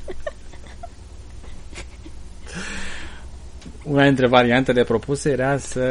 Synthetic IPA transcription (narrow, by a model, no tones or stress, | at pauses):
unad̪int̪ɾe̞vaɾiant̪e̞le̞pɾo̞puse̞jeɾasə